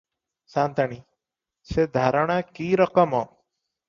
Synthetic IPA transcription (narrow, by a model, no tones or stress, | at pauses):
sant̪aɽ̃i | sed̪ʱaɾɔɽ̃akiɾɔkɔmɔ